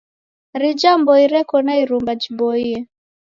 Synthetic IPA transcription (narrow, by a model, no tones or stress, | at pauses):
ɾid͡ʒambɔiɾɛkɔnaiɾumbad͡ʒibɔiɛ